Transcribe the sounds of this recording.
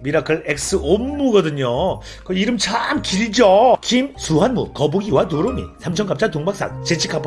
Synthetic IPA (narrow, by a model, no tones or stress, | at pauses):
miɾakʰɯɭek̚s͈ɯomːuɡʌdɯɲo | kɯiɾɯmt͡ɕʰamkiɾid͡ʑokimsuɦanmukʌbuɡiwatoɾomḭsʰamt͡ɕʰʌnkap̚t͡ɕ͈atoŋbak̚s͈a̰k̚t͡ɕet͡ɕʰi̥kʰapʰ